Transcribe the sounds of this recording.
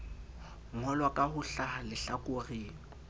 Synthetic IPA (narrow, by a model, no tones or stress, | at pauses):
ŋɔlwakʼahʊɬahalɪɬakʼʊriːŋɔ